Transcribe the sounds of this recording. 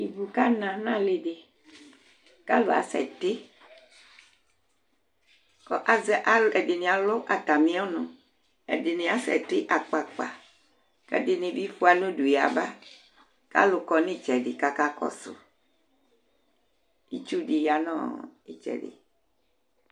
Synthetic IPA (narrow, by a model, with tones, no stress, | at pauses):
i˨bu˨ka˦nã˨nã˦le˨de˨ | ka˦lo˨a̰˨sɛ̰˨t̪e˦ | kɔ˦ʔa˨zɛ˦˨ʔa˦le˨de˨nĩ˨a˨lo˦ʔa˨t̪a˨mĩ˦ɔ˦nõ˨ | ḛ˨de˨nẽ˨a˦sɛ̰˨t̪e˦ʔa˨k͡pa˨k͡pa̰˨ | kɛ̰˦de˨nẽ˨vi˦fu˦a˨nõ˦ɖu˨ja̰˨ba˦ | ka̰˦lo˨kɔ˨nĩ˦˨t͡ʃɛ˨ɖi˨ka˨ka˦kɔ̰˦so̰˨ | i˦t͡ʃu˦ɖi˨ja˨nɔ̰̃˦i˨t͡ʃɛ̰˨ɖḛ˨